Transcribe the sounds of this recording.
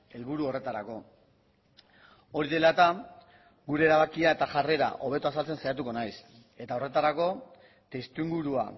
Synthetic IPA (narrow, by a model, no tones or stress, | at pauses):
e̞lβuɾuo̞re̞t̪aɾako̞ | o̞ɾiðe̞lat̪a | ɡuɾe̞ːɾaβakiae̞t̪aʝare̞ɾa̰ʔo̞β̞e̞t̪oasalt͡se̞nsajat̪̬uko̞najs | e̞t̪ao̞re̞t̪aɾako̞ | t̪est̪uiŋɡuɾua̰